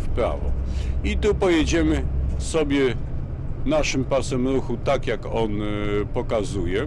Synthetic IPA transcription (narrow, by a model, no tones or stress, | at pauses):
fpɾa̰vɔ̰it̪upɔjed͡ʑɛmɘsɔbʲjɛ | naʂɘmpasɛmɾuxut̪akjakɔnpɔkazujɛ